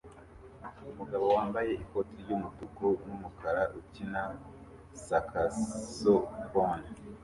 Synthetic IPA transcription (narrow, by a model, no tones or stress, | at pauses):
umuɡaβo̞waːmbaje̞ʔikotʰiɟumutukonumukʰaɾaʔucina | sakʰasokona